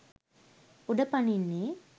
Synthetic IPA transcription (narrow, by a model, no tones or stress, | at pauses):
ʊɽɐpːɐɳinːe